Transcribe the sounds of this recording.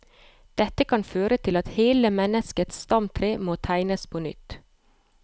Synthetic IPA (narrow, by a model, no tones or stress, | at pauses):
d̪̥ɛt̪əkʰɑnføːɾət̪ʰɪlɑt̪heːləmɛnəskət̪sst̪ɑmt̪ʰɾeːmoːt̪ʰæɪnəspʰoːnʏ̰t̪